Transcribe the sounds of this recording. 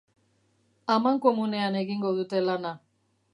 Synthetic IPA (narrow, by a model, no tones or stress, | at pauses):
amaŋko̞mune̞ane̞ɣiŋɡo̞ðut̪e̞lana